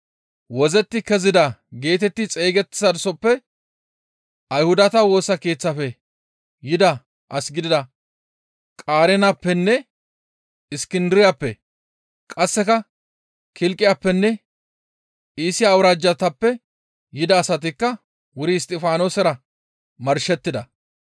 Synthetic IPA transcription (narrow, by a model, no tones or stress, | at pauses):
wɔzɛt̪ːɪkɛzɪd̪ɐɡe̞ːt̪ɛt̪ːɪt͡sʼe̞ːɡɛt̪ːɪ̥sɐd̪ʊsɔpːɛ | ʔɐjhʊd̪ɐt̪ɐwo̞ːsːɐke̞ːt͡sːɐfɛ | jɪd̪ɐ | ʔɐsɡɪd̪ɪd̪ɐ | kʼaːɾɛnapːɛnːɛ | ɪskɪnd̪ɪɾɪjapːɛ | kʼɐsːɛkɐ | kʰɪlkʼːɪjaːpːɛnːɛ | iːsɪjaːwɾaːd͡ʒːɐt̪ɐpːɛ | jɪd̪ɐːsɐt̪̬ɪkːɐ | wʊɾɪst̪ʼɪfaːno̞ːsɛɾɐ | mɐɾʃɛt̪ːɪd̪ɐ